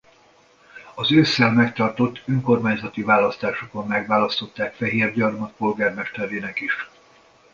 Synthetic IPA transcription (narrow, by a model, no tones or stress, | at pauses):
ɒzøːsːɛlmɛkt̪ɒrt̪o̞t̪ːøŋko̞rmaːɲzɒt̪ivaːlɒst̪aːʃoko̞mːɛɡʋaːlɒst̪o̞t̪ːaːkfɛɦeːrɟɒrmɒt̪̚po̞lɡaːrmɛʃt̪ɛɾeːnɛkiʃ